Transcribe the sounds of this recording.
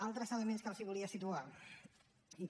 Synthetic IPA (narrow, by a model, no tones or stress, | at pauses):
alˠt̪ɾəzələmenskalˠsiβuliəsit̪ua | i